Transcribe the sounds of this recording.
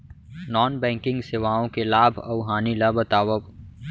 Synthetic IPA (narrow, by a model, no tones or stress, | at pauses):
nɔːnbɛ̃ːŋkɪ̃ŋɡsɪʋaːõkelaːbʱɐʊɦaːnilabət̪aːwə